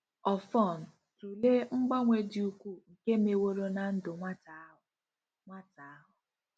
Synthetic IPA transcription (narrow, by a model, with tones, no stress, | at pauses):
ɔ˨fɔ˦˨n̩˨ | tu˨le˦ŋ͡m̩˦ɡ͡ba˦ŋʷe˨dɪ˨u˨kʷu˦ŋ̩˨ke˦me˨wo˦ɾo˦na˨n̩˦dʊ˨ŋʷa˦ta˨˦ʊ˨ | ŋʷa˦ta˨a˦ɦʊ˨